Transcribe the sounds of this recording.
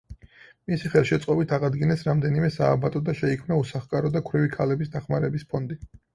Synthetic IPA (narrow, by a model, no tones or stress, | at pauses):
misiχɛlˠʃɛt̪sʼqʼɔbit̪ʰaʁad̪ɡinɛsɾamd̪ɛnimɛsaːbat̪ʼɔd̪aʃɛikʰmnausaχkʼaɾɔd̪akʰwɾɛvikʰalɛbisd̪aχmaɾɛbispʰɔnd̪i